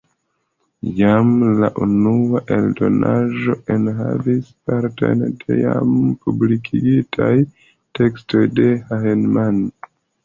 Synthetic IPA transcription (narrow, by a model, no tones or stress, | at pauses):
jamlaʔunuaʔe̞ldo̞̰nʔaʒo̞ʔenɦa̰vispaɾta̰jntʰija̰mpublikʰiɡitʰaj | te̞ksto̞jde̞haɦenman